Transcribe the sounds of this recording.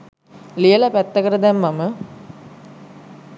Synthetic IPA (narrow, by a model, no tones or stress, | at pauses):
lijəlapæt̪ːəkəɾəd̪ɛmːamə